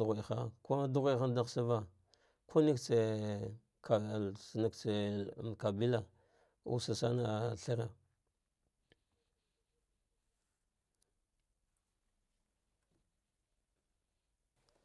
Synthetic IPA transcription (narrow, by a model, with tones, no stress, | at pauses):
ɣi˨xa˦˨ko˦du˦ɣʷi˦xa˦da˦ɣsa˦va˦ | kʰo˦ni˦kt͡se˨ | kʰa˨sna˨kt͡se˨ka˨bi˦la˦ | ṵ˨sa˨sa˦na˦˨ɬa˦ɾa˨